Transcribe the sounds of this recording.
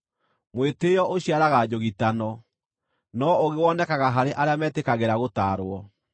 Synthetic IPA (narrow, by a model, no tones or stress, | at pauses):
mwetejɔʔoɕiaɾaɣad͡ʑoɣitanɔ | nɔoɣewɔnɛkaɣaɦaɾeʔaɾeamɛːtekaɣeɾaɣotaːɾoɔ